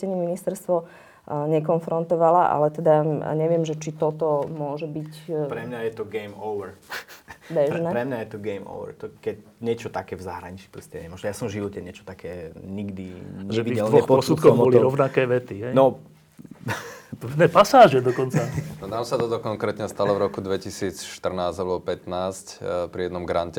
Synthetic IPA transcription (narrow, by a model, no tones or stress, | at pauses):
ɛɲɛminist̪ɛɾst̪ʋɔ | ɲɛkɔnfɾɔnt̪ɔʋalaʔa̰lɛt̪ɛd̪aɲɛʋɪɛmʒɛt͡ʃit̪ɔt̪ɔmʊɔʒɛbicpɾɛmɲajɛt̪ɔɡɛɪmɔʊʋɛɾ | bɛʒnɛɾɛmɲajɛt̪ɔɡɛjmɔ̰ʊʋɛ̰ɾt̪ɔkɛcɲɪɛt͡ʃɔt̪akɛːvzaɦɾaɲit͡ʃi̥pɾɔstɛɲɛmɔʒnɛjasɔmʒiʋɔcɛɲɪɛt͡ʃɔ̥t̪akɛːɲiɡd̪iɲʒɛtiiːɛʋɛxpɔsut̪kɔɔliɾɔʊnakɛːʋɛt̪iɦɛjnɔ | t̪ɔd̪nɛːpasaːʒɛd̪ɔkɔnt͡sanɔnamsat̪ɔt̪ɔkɔŋkɾɛːt̪ɲɛst̪alɔvɾɔkud̪ʋɛcisiːt͡sʃt̪r̩naːzalɛbɔpɛt̪naːscpɾijɛd̪nɔmɡɾancɛ